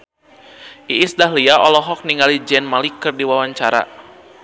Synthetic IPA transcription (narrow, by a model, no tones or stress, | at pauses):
ʔiːsdaɦliaɔlɔɦɔk̚niŋɡalid͡ʒɛnmalikɨrdiwawaɲt͡ʃaɾa̰